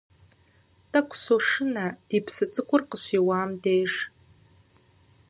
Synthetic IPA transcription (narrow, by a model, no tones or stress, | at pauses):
tʼakʷʰʼsoʂɨnad̥ipʰsɨt͡sʼɨkʷʰʼʊrqʼəɕʷiwaːmdejʂ